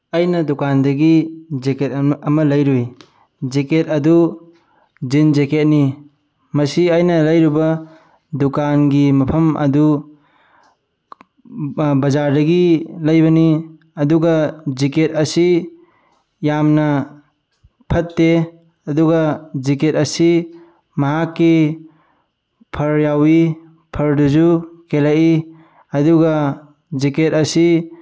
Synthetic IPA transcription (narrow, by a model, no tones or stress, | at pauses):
ɐjnɐdukandɐɡid͡ʒeket̚ɐmɐlɐjɾuj | d͡ʒeket̚ɐdu | zind͡ʒeket̚ni | mɐsiajnɐlɐjɾubɐ | dukanɡimɐpʰɐmɐ̰du | bɐzaɾdɐɡilɐjbɐni | ɐduɡad͡ʒiketɐsi | jamnɐ | pʰɐtːe | ɐduɡad͡ʒiketɐsi | mɐɦakːi | pʰɐɾjawi | pʰɐɾduzukelaʔi | ɐduɡa | d͡ʒiketɐsi